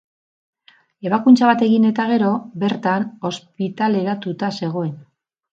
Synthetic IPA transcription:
e̞βakunt͡saβat̪e̞ɣine̞t̪aɣ̞e̞ɾo̞be̞ɾt̪ano̞spit̪ale̞ɾat̪ut̪ase̞ɣ̞o̞e̞n

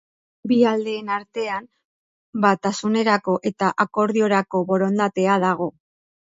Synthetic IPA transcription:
biald̪e̞ːnaɾt̪e̞am | bat̪asune̞ɾako̞ʔe̞t̪aʔako̞ɾðio̞ɾako̞βo̞ɾo̞nd̪at̪e̞aðaɣ̞o̞

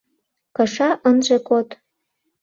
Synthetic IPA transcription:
kɤ̆ʃɑʔənʒekot̪

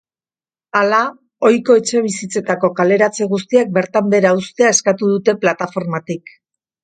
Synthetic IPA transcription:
ala | o̞jko̞e̞t͡ʃe̞β̞isit͡se̞t̪ako̞kale̞ɾat͡seɣ̞ust̪iak̚be̞ɾt̪ambe̞ɾaust̪eae̞skat̪uðut̪e̞plat̪afo̞ɾmat̪ik

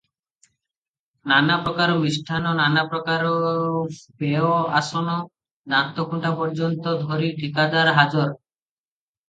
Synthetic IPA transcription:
nanapɾɔkaɾɔmisʈʰanɔnanapɾɔkaɾɔ | peɔasɔnɔ | d̪ant̪ɔkuɳʈapɔɾd͡ʒɔnt̪ɔd̪ʱɔɾiʈʰikad̪aɾɦad͡ʒɔɾ

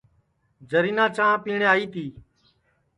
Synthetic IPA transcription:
d͡ʒəɾiːnãːt͡ʃãːpiːɳeːaːiːt̪iː

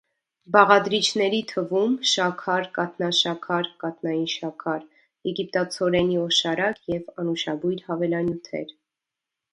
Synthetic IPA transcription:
bɑʁɑd̪ɾit͡ʃʰnɛɾit̪ʰəvumʃɑkʰɑɾkɑt̪nɑʃɑkʰɑɾkɑt̪nɑjinʃɑkʰɑɾ | jɛɡip̚t̪ɑt͡sʰɔɾɛniɔʃɑɾɑkjɛvɑnuʃɑbujɾhɑvɛlɑnjut̪ʰɛ̰ɾ

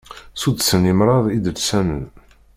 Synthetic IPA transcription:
sud̪sənimɾˤɑðˤid̪əlsænə̰n

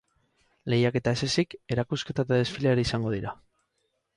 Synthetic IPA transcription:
le̞jake̞t̪ae̞se̞sike̞ɾakuske̞t̪at̪aðe̞sfileɾiisaŋɡo̞ðiɾa

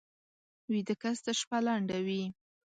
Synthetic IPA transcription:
wid̪əkasd̪aʃpalaɳɖawi

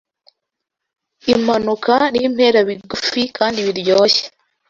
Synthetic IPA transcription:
im̥anukanim̥he̞ːɾaβiɡufikaːndiβiɾjoːçe̥

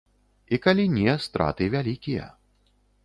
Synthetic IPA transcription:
ikalʲinʲɛst̪ɾa̰t̪ɨvʲalʲikʲijɛ̰

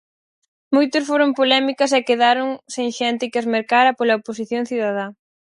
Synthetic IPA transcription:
mojt̪ʊsfoɾʊmpolɛmikɐsɛkeðaɾʊŋseŋʃɛnt̪ɪkɪɐzmeɾkaɾɐpolɐopos̬iθjoŋθiðað̞a

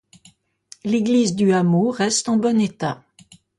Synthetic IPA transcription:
leɡlizd̪yamoʁɛst̪ɑ̃bɔnet̪a

